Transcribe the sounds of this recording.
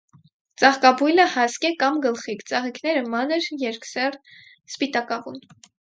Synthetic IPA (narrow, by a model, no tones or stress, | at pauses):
t͡sɑχkɑbujləhɑskɛkɑmɡəlχikt͡sɑʁikʰnɛɾəmɑnəɾjɛɾksɛr | spit̪ɑkɑvun